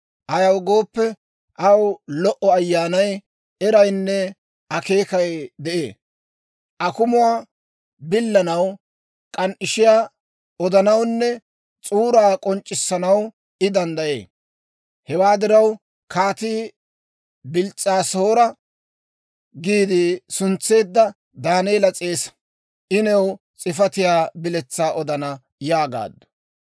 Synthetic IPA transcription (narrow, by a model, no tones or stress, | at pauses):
ʔɐjɐwɡo̞ːpːɛ | ʔɐwlɔʔɔɐjːaːnɐj | ɛɾɐjnːɛ | ɐke̞ːkɐjd̪ɛʔḛː | ʔɐkʊmʊwaː | bɪlːɐnɐw | kʼɐnʔɪʃɪjaː | ɔd̪ɐnɐwnːɛ | t͡sʼuːɾaːkʼɔnt͡ʃʼːɪsːɐnɐw | ɪd̪ɐnd̪ɐje̞̰ː | hɛwaːd̪ɪɾɐw | kʰaːt̪iː | bɪlt͡sʼːaːsoːɾɐ | ɡiːd̪ɪsʊnt͡sːe̞ːd̪ːɐ | d̪aːneːlɐt͡sʼeːs | ʔɪnɛw | t͡sʼɪfɐt̪ɪjaːbɪlɛt͡sːaːʔɔd̪ɐnɐ | jaːɡa̰ːd̪ːʊ̥